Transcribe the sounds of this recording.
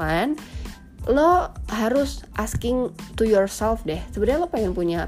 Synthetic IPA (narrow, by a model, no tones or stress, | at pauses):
an | lohaɾʊsʔaskɪŋt̪ujɔrsɛlfdɛhsəbədaalopaaŋpuɲa